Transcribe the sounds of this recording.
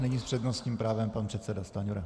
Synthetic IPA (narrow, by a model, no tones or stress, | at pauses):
nɪɲispr̥ɛd̪nost̪ɲimpɾaːvɛmpanpr̥ɛt̪sɛdast̪aɲuɾa